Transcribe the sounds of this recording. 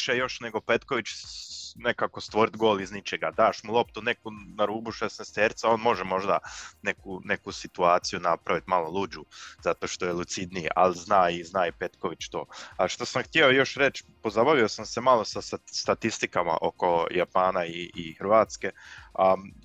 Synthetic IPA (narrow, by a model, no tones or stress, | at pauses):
ʃejo̞ʃneɡo̞pe̞t̪ko̞ʋit͡ʃ | ne̞kako̞st̪ʋo̞ɾit̪ɡo̞ːliznit͡ʃeɡad̪aːʃmulˠo̞p̚t̪une̞kunaɾuːbuʃesnest̪eɾt̪sao̞ːnmo̞ʒemo̞ʒd̪ane̞kune̞kusit̪uaːt̪sijunapɾaʋit̪malˠo̞lˠud͡ʒuzat̪o̞ʃt̪o̞jelˠut̪sid̪nijḛʔa̰lznaːiznaːipe̞t̪ko̞ʋit͡ʃt̪o̞ːaʃt̪o̞samxt̪jeojo̞ʃɾe̞t͡ʃpo̞zabaʋio̞samse̞malˠo̞saast̪at̪ist̪ikama̰ʔo̞ko̞japaːnaiːxɾʋaːt̪ske̞a